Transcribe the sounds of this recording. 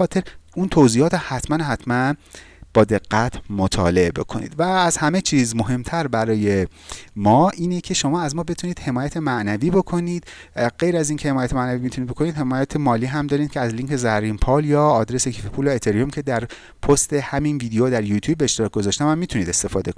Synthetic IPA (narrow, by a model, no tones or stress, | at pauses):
ɒːt̪ʰe̞ɾunt̪ʰowziːɒːt̪ohæt̪ʰmænhæt̪ʰmænb̥ɒːd̪e̞ɡːæt̪ʰmot̪ʰɒ̰ːle̞ebe̞̰kʰo̞̰nḭːd̪væːzhæme̞t͡ʃʰiːzmo̞ɦe̞mt̪ʰæɾbæɾɒːje̞mɒːʔiːnecʰe̞ʃo̞mɒːæzmɒːbe̞t̪ʰuniːd̪he̞mɒːjæt̪ʰemæʔnæviːbo̞kʰo̞niːd̪̥ɢe̞jɾæziːncʰe̞he̞mɒːjæt̪ʰemæʔnæviːmit̪ʰunid̪bo̞kʰo̞niːd̪he̞mɒːjæt̪ʰemɒːliːɦæmd̪ɒːɾiːd̪̥̚cʰeæzliŋcʰezæɾimpʰɒːljɒːd̪ɾe̞se̞cʰifepʰuːlæet̪ʰeɾiomcʲʰe̞d̪æɾ | pʰost̪e̞hæminviːd̪eoːd̪æɾjut̪ʰjuːbːeːʃt̪eɒːk̚ɡo̞zɒːʃt̪æmæmːiːt̪ʰuniːd̪e̞st̪e̞fɒːd̪eko